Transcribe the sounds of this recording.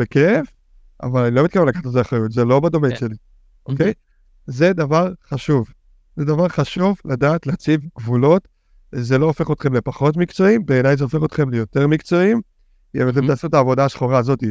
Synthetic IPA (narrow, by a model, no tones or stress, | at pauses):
bekef | a̰valanilomit̪̚kavemlakaχat̪azeaχajutzelo̞bad̪o̞menʃe̞li | ʔokej | ze̞d̪avaʁχaʃuv | zedavaʁχaʃuvladaːtleat͡sivɡvulo̞t | zelo̞ːfe̞χo̞t̪χe̞mle̞paχo̞tmikt͡so̞imbe̞ːnajzeo̞fe̞χot̪χe̞mlejo̞te̞ʁmikt͡so̞im | emtemt̪asotaːvo̞daːʃχoʁaːzo̞ti